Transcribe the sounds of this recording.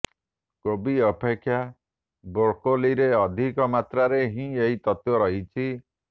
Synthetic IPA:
kobiɔpʰekʰːja | boɽkoliɾeɔd̪ʱikɔmat̪ɾaɾeɦĩeɦit̪ɔt̪jɔɾɔɦit͡ʃʰi

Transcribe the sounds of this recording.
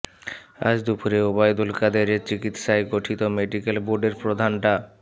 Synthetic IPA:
a̰d͡ʑd̪upuɾeobajd̪ulkad̪eɾet͡ɕikit̪ʃaeɡoʈʰit̪omeɖikelboɾɖeɾpɾod̪ʱanʈa

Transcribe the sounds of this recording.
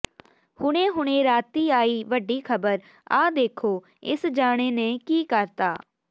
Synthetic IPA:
hʊɽẽːɦʊɽ̃ẽːɾaːt̪iːaːiːʋəɖiːkʰəbəɾ | a̰ːd̪eːkʰoː | ɪ̰sd͡ʒaːɽ̃eːnẽːkiːkəɾt̪aː

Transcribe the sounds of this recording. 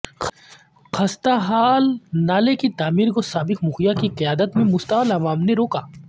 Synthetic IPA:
xɐst̪aɦaːlnaːlekit̪aːmiːɾkosaːbɪkmʊxijakiqɐjaːd̪ət̪mẽmʊst̪əlɐmaːmneɾoːkaː

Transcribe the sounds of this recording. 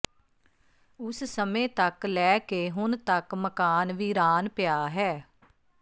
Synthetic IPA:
ʊssəmẽːt̪əklɛːkeːɦʊnt̪əkməkaːnʋiːɾaːnpɪjaːɦɛː

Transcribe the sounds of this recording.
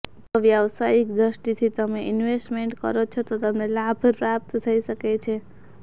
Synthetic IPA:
t̪oʋjaʋsajikd̪ɾəʃʈit̪ʰit̪əmeʔinʋesʈmeɳʈkə̰ɾot͡ʃʰot̪ot̪əmnelabʱpɾap̚t̪t̪ʰəiʃəket͡ʃʰe

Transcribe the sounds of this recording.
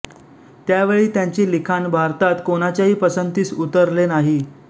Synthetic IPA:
t̪jaʋeɭiːt̪jaɲt͡ɕiːlikʰanbʱaɾt̪at̪koñat͡ɕjaɦiːpəsənt̪iːt͡sut̪əɾlenaɦi

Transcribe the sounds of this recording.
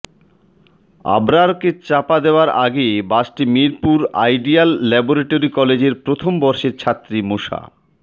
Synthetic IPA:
a̰bɾaɾket͡ɕapad̪eoaɾaɡebasʈimiɾpuɾa̰jɖialːɛboɾeʈoɾikɔled͡ʑeɾpɾot̪ʰombɔɾʃeɾt͡ɕʰat̪ːɾimoʃa̰

